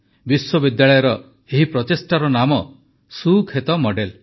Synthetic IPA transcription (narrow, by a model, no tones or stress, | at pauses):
biswɔbid̪jaɭɔjɔɾɔ | eɦipɾɔt̪esʈaɾɔnamɔ | sukʰet̪ɔmɔɖel